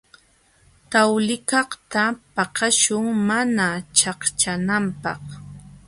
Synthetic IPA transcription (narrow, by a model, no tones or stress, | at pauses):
t̪awlɪkɑχt̪apɑqɑʃʊŋmanat͡ʃaχt͡ʃanampɑχ